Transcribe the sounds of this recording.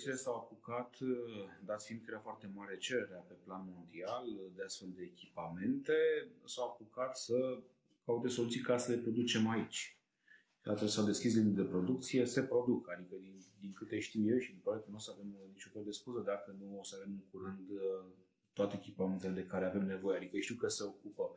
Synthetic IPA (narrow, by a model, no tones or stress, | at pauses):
ilesawapukat̪d̪at̪siind̪kəeɾeafoart̪e̞maɾe̞t͡ʃe̞ɾe̞ɾeape̞planmo̞nd̪iald̪east̪fe̞ld̪e̞ːkʲipame̞nt̪e̞sawapukat̪sə | kaut̪eso̞lut̪sijkasəle̞pɾo̞d̪ut͡ʃe̞mait͡ʃʲ | d̪at̪əlesawd̪e̞skʲis̬lind̪uld̪epɾo̞d̪ukt̪sije̞se̞pɾo̞d̪ukad̪ikəd̪ind̪iŋkɨt̪e̞ʃt̪iwje̞wʃid̪ipaɾekənusəave̞mnit͡ʃunfeld̪e̞skuzəd̪akənuosəave̞mɨŋkuɾɨnd̪ | t̪wat̪e̞ekʲipame̞nt̪e̞le̞d̪e̞kaɾe̞ave̞mne̞vo̞jead̪ikəʃt̪iwkəse̞o̞kupə